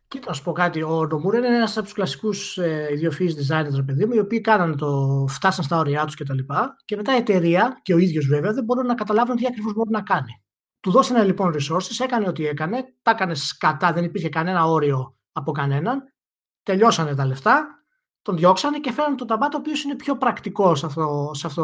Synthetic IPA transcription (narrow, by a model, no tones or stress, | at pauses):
cit̪nɐsu̥po̞kɐt̪io̞no̞muɾnenenɐsɐpot̪u̥slɐsi̥kuseiðjofizd̪izɐjneɾt̪ɾepe̞ðimuio̞piːkɐnɐnet̪o̞ft̪ɐsɐnst̪ɐo̞ɾiɐt̪u̥scet̪ɐlipɐce̞me̞t̪ɐiet̪e̞ɾiɐce̞o̞iðʝo̞zveveɐðe̞bo̞ɾunːɐkɐt̪ɐlɐvunt̪iɐkɾivozbo̞ɾinɐkɐni | t̪uðo̞st̪enelipo̞nɾiso̞ɾsise̞kɐneo̞t̪ie̞kɐne̞t̪ɐkɐne̞skɐt̪ɐðe̞nipiɾçe̞kɐne̞nɐo̞ɾio̞ | ɐpo̞kɐne̞nɐn | t̪e̞ʎo̞sɐne̞t̪ɐle̞ft̪ɐ | t̪o̞nðʝo̞ksɐne̞cefeɾɐnet̪ot̪ɐmɐt̪oːpio̞sine̞pço̞pɾɐkt̪iko̞sɐfosɐft̪o